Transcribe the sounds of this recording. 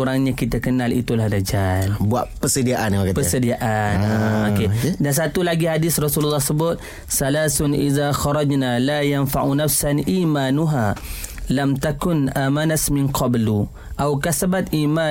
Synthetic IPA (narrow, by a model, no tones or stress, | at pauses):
uɾaŋɲakit̪akənalḭt̪ulahdad͡ʒalbuaʔpəsədiaʔanakapəsədiaʔanokedans̬at̪ulaɡihadɪsrɔsululːɑhsəbʊt̪̚ | salasʊnʔḭðaxɑɾˤɑd͡ʒnalajanfaʕunafsanʔiːmaːnuɦalamt̪akʊnʔamanasmɪnqʰɑblu | ʔawkasabat̪ʔima